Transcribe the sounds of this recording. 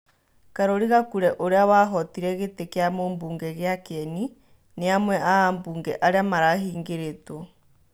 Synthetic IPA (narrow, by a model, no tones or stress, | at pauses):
kaɾoɾiɣakuɾɛʔoɾeawaɦɔtiɾɛɣetekeamoːmbuːŋɡɛɣeakɛni | neamwɛʔaambuːŋɡɛʔaɾeamaɾaɦiːŋɡeɾeto